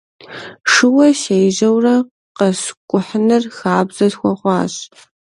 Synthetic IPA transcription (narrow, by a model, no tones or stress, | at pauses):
ʂɨwɐʃejʒɐwrɐ | qɐskʷʼʊħnɨrxaːbzɐtxʷɔχʷɑːɕ